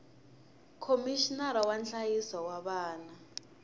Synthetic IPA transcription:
kʰomiʃinaɾawant͡ɬajisawaɓaːna

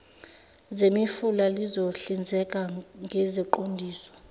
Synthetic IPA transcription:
zemifulalizoɬind͡zʱɛkʼaŋʱɛzɛǃondʱiːsɔ̥

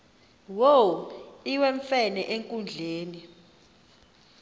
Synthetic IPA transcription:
woiwɛɱfɛnɛʔeŋkʼund͡ɮʱeːni

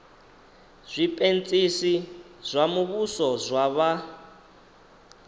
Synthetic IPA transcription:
z̥ʷipʼent͡sʼisi | z̥ʷamuβusɔzʷwaβa

